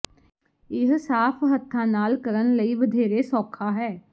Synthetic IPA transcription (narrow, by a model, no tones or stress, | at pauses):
ɪɦsaːpʰɦət̪ʰːãːnaːlkəɾənləiːʋəd̪ʱeːɾeːsɔːkʰaːɦɛː